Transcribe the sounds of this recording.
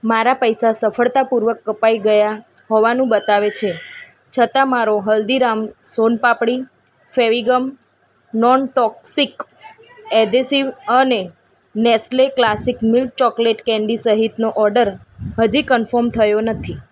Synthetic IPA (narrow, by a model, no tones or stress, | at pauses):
maɾapəjsasəfəɭt̪apuɾʋəkːəpaiɡəjaɦoʋanũbət̪aʋet͡ʃʰe | t͡ʃʰət̪amaɾoɦəld̪iɾamsonpapɽi | feʋiɡəm | nɔnʈɔksik | ɛd̪esiʋəne | nɛsleklasikmɪlk̚t͡ʃɔkleʈkɛ̃ɳɖisəɦit̪noʔɔɾɖəɾ | ɦəd͡ʒikənfəɾmt̪ʰəjonət̪ʰi